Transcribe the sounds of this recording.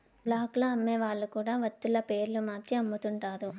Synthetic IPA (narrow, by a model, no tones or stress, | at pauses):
blaːkloɐmːeːʋaːɭːukuːɽaːʋɐt̪ːulɐpe̞ːɾlumaːt͡ʃiɐmːut̪uɳʈaːɾu